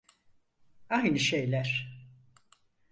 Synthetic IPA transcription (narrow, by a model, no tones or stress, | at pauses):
ajnɯʃejlʲæɾ̥